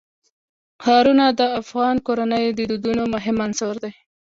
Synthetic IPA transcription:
xɑɾunad̪əafɣɑnkoɾanəjd̪əd̪ud̪unomʊɦɪmansoɾd̪ej

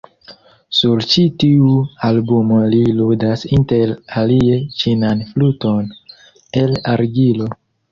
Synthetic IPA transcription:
suɾt͡ʃitiualbumoliludasinte̞ɾalie̞t͡ʃinanfluton | elaɾɡilo̞

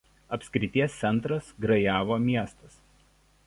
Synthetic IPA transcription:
ɐpʲsʲkʲɾʲɪt̪ʲiɛssʲɛnt̪ɾɐsɡɾɐjæːʋoːmʲiɛst̪ɐs

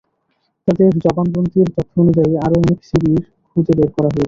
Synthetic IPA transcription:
t̪ad̪eɾd͡ʑɔbanb̪ɾont̪iɾt̪ot̪ʰːoonud͡ʑaiaɾoɔneksiɾiɾ | kʰud͡ʑebeɾkɔɾaɦoet͡ɕʰe

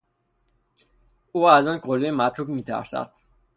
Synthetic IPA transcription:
uːæzɔːnkʰolejemæt̪ʰɾuːbmiːt̪ʰæ̰ɾsæ̰d̪̥̚

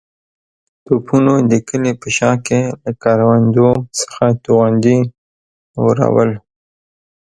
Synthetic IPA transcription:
t̪upʰunod̪əkəlepəʃɑkelakɑɾwand̪osə̥xat̪uɣand̪i | wəɾa̰wə̰l

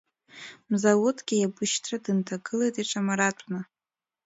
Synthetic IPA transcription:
mzawotʰʼɡʲijabɨʃtʰradɨntʰaɡɨlejtʼiʈ͡ʂʼamaɾatʷʼna

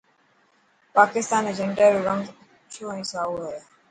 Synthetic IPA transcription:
paːkɪst̪aːned͡ʒəɳʈəːɾoːɾə̃ŋɡ | t͡ʃʰoːɛ̃ːsaːoːɦeː

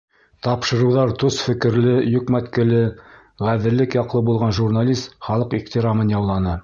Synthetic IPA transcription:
t̪ɑpʃɤ̆ɾɤ̆wðɑɾt̪osfɘ̆kɘ̆ɾlɘjɵ̆kmæt̪kɘ̆lɘ | ʁæðɘ̆ɾlɘkjɑqlˠɤbulˠʁɑnʒurnalʲist̪χɑlˠɤqiχt̪iɾamɤnjɑwlˠɑnɤ

